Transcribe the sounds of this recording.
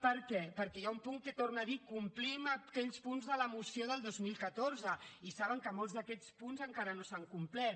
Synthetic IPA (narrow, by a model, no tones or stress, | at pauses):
pəɾkɛpəɾkɛjaumpuŋkət̪ornəðikumpliməkɛʎspunzðələmusioðəlˠd̪ozmilˠkət̪oɾzəisaβəŋkəmolˠzðəkɛʎt͡spunzəŋkaɾənosaŋkumplɛt̪